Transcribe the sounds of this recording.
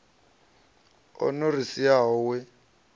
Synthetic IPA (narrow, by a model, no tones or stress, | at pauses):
ɔ̰norisiaɦɔwɛ